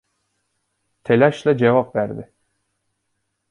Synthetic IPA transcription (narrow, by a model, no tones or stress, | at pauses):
t̪ʰelʲæʃlʲɛd͡ʒevapvæɾd̪ɪ